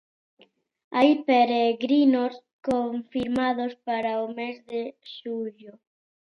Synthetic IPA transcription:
ajpeɾeɣɾinos | koɱfiɾmaðospaɾaomezðeʃuʎo

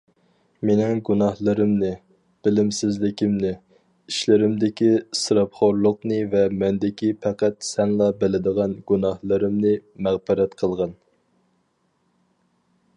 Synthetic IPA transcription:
menɪŋɡunɑhlˠɨɾɨmnɨ | b̥ɪlɪmsɪzlɪkʲimnɪ | iʃlɪɾɪmd̪ɪkʲisɨɾɑpχoɾlˠʊqnɨvɛmɛnd̪ɪkʲipʰæqæt̪sɛŋlˠɑbɪlɪd̪əʁɑnɡunɑhlˠɨɾɨmnɨmæʁbɨɾɛt̪qʰəlˠʁɑn

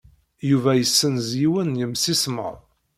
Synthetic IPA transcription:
juvæjəsːənzjiwənjəmsismə̰ʁˤ

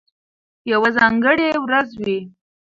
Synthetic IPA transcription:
jawazɑŋɡəɽewɾazwi

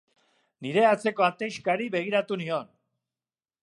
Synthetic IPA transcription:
niɾe̞at͡se̞ko̞at̪ejʃkaɾiβe̞ɣ̞iɾat̪unio̞n

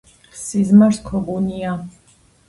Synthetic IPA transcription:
sizmaɾskʰɔɡunia

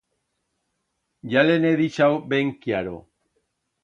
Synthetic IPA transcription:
ʝaleneðit͡ʃawbeŋkiaɾo̰

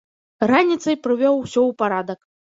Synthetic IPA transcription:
ranʲit̪sɐjpɾɨvʲɔwsʲɔwpaɾad̪ɐk

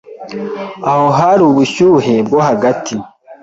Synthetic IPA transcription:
aho̞ɦaɾuβuʃuɦe̞bɡo̞haɡatʰi

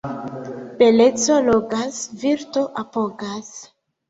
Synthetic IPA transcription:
b̥elet͡so̞loɡasviɾto̞ʔapoɡas

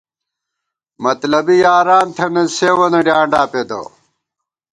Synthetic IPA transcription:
mɐt̪lɐbijaːɾaːnt̪ʰɐnɐseːwɐnɐɖjaːɳɖaːped̪o̰

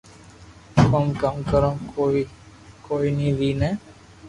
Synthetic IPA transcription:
ɦəmkəmkəɾõːoi | koːinĩːʋiːnẽː

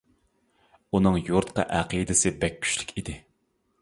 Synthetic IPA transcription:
unɨŋjuɾt̪qɑ̰ʔæqid̪ɪsɪbɛk̚ʲʰːy̥ʃlʲɪ̥kʲid̪ɪ

